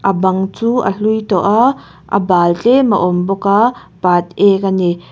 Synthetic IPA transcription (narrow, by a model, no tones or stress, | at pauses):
ʔɐbɐŋt͡suʔɐ̰ɬujt̪ɔʔa | ʔɐ̰baːlt͡ɬeməʔɔmbɔka | pat̪̚ɛk̬ani